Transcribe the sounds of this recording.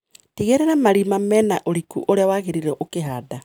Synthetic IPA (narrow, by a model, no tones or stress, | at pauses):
tiɣeɾeɾamaɾimamɛnaʔoɾikuʔoɾeawaɣeɾiɾɛʔokeɦada